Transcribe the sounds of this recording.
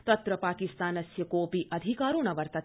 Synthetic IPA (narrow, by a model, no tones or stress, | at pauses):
t̪ɐt̪ɾɐpaːkist̪aːnɐsjɐkoːpiʔɐd̪ʱikaːɾuɳɐʋɐɾt̪ɐ